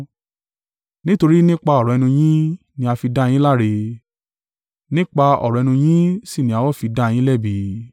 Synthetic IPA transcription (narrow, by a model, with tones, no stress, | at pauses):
nĩ˦to˧ɾi˦nĩ˦k͡pa˧ɔ˦˨ɾɔ˨ɛ˧nũ˧j̃ĩ˦ | nĩ˧a˧fi˧da˦˧j̃ĩ˦la˦ɾe˧ | nĩ˦k͡pa˧ɔ̰˨ɾɔ˨ɛ˧nũ˧j̃ĩ˦si˦˨nĩ˨˦a˨˧wɔ˦˨fi˧da˦˨j̃ĩ˦lɛ˦˨bi˧